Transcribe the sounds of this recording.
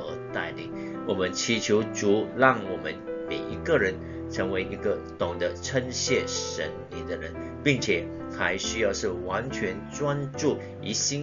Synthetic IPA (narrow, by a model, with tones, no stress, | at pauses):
ə˧˥t̪a˥˩ɪlḭ˨˩˦ŋ | wɔ˨˩mə˦nt͡ɕʰi˧˥t͡ɕʰjo˧˥ʊt͡su˨˥˦lɑ˥˩ŋwɔ˨˩mə˦nme˨˩ɪʔi˧˥kə˥˨ɻə˧˦n | ʈ͡ʂʰə˧˥ŋwe˧˥ɪʔi˧˥ɡə˧t̪ʊ˨˩ŋd̪ə˦ʈ͡ʂʰə˥nɕjɛ˥˩ʂə̰˧˥nli˨˩d̪ə˦ɻə˧˦n | pi˥˩ŋt͡ɕʰjɛ˨˩ | xa˧˥ɪɕy˥jɑ˥˧ʊʂɻ̩˥˩wa˧˥nt͡ɕʰɥɛ˧˥nʈ͡ʂwa˥nʈ͡ʂu˥˩ | i˧˥ɕi˥